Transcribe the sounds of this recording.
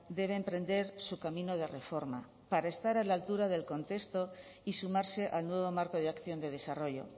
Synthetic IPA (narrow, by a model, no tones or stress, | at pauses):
d̪e̞β̞eːmpɾẽ̞nd̪e̞ɾsukamĩno̞ð̞e̞re̞fo̞ɾma | paɾaest̪aɾalalt̪uɾaðe̞lko̞nt̪e̞st̪o̞ | isumaɾse̞ʔalnwe̞βo̞maɾko̞ð̞eakθjo̞nd̪e̞ð̞e̞saro̞ʝo̞̰